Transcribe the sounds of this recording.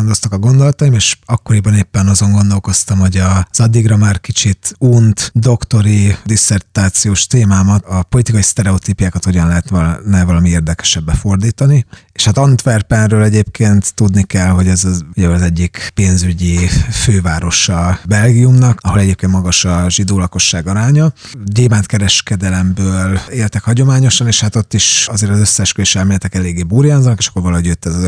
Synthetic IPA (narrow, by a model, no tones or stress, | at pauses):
nd̪o̞st̪ɒkɒɡond̪o̞lɒt̪ɒimeːʃɒkːo̞ɾibɒneːpːɛnɒzo̞ŋɡo̞nd̪o̞lko̞st̪ɒmho̞ɟɒz̥ɒd̪ːiɡrɒmaːrkit͡ʃit̪unt̪d̪o̞kt̪o̞ɾid̪isɛrt̪aːt̪sijoːʃt̪eːmaːmɒt̪ɒpolit̪ikɒjist̪ɛɾɛot̪iːpjaːkɒt̪ho̞ɟɒnlɛɦɛt̪nnɛvɒlɒmieːrd̪ɛkɛ̥ʃɛbːɛfo̞rd̪iːt̪ɒnieʃat̪ɒnt̪ʋɛrpɛnrøːlɛɟeːp̚kʰeːnt̪ːud̪nikɛlɦo̞ɟɛzɒuɟɛɒzɛɟːikpeːnzyɟiføːvaːɾo̞ʃɒbɛlɡijumnɒkɒɦolɛɟeːp̚kent̪mɒɡɒʃɒʒid̪oːlɒko̞ʃːaːɡɒɾaːɲɒ | ɟeːmaːnt̪kɛɾɛʃkɛd̪ɛlɛmbøːleːlt̪ɛkhɒɟo̞maːɲo̞ʃɒneːʃhat̪o̞t̪ːiʃɒzeːɾɒzø̞sːɛʃkøiʃɛlmieːlɛt̪ɛkɛleːɡːeːbuːɾjanzɒnkeʃɒ̥kːo̞ɾvɒlɒɦo̞ɟjøt̪ːɛzɒz